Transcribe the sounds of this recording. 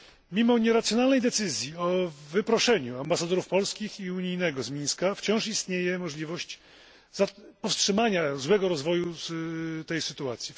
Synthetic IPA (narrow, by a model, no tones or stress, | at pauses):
mʲimɔɲɛɾat̪sʲjɔnalnɛjd̪ɛt̪sɘzʲjiɔvɘpɾɔʂɛɲuambasad̪ɔɾufpɔlskʲixiuɲijnɛɡɔzmʲĩnskaft͡ɕɔ̃w̃ʂist̪ɲejɛmɔʐlʲivɔɕt͡ɕ | zapɔfstʂɘmaɲazwɛɡɔɾɔzvɔju | t̪ɛjsɘt̪uat̪sʲji